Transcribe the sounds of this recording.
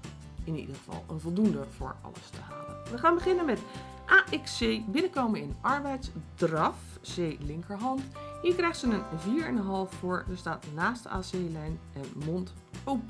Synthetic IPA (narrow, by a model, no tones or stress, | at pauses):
ɪnḭdəχəv̥ɑ̰lˠə̰nvɔlˠdundəv̥ʊ̰ːɹɑ̰lə̰stəɦaːlə̰nʋəχaːnbəχɪnənmɛt | ʔaːʔɛksejbɪnəkowmənɪnʔɑɹbɛjtsdrɑf | seːlɪŋkəɹɦɑntɦiːɹkrɛjχsənənviːɹɛnəɦɑlˠffʊːɹdəɹstaːtnaːstə̰aːselɛjnʔɛnmɔnt | op